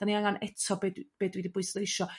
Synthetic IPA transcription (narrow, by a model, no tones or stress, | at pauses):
d̥aniaŋanʔɛtʰɔbedb̥eːdwiːdibʊɨslˠejʃɔ